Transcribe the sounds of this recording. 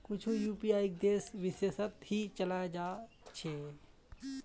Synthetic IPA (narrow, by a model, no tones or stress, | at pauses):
kʊt͡ʃʰujuːpiaːjik̚d̪eːsʋɪsesət̪hit͡ʃəlad͡ʒaː | t͡ʃʰe